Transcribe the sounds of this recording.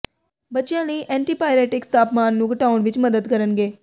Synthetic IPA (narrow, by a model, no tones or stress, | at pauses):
bətːʃjãːniːʔɛ̃ːɳʈiːpaːjɾɛːʈɪkst̪aːpmaːnːũːɡəʈaːʊɳʋɪt͡ʃməd̪əd̪kəɾənɡeː